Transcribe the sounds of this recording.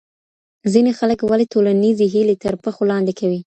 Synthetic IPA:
zinexaləkwalit̪olanizeɦilet̪əɾpəxolɑnd̪ekʰawi

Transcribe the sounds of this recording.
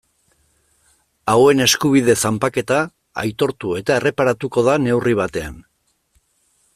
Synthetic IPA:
awe̞ne̞skuβ̞ið̞e̞sampake̞t̪a | a̰jt̪o̞ɾt̪ue̞t̪ae̞re̞paɾat̪uko̞ðane̞wriβ̞at̪e̞a̰n

